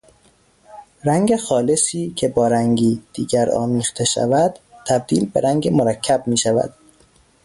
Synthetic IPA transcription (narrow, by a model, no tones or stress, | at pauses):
ɾæŋɡe̞xɒːlesiːcʰe̞bɒːɾæŋɡiːd̪̥iːɟæɾɒ̰ːmiːxt̪ʰeʃæ̰væd̪̥t̪ʰæb̚d̪ḭːlbeɾæŋɟemoɾækʰːæbmiːʃævæ̰d̪̥